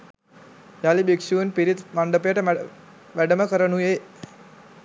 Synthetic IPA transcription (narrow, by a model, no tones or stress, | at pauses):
jalibikʂuunpiɾit̪maɳɖəpejəʈə | ʋæɖəməkəɾənuje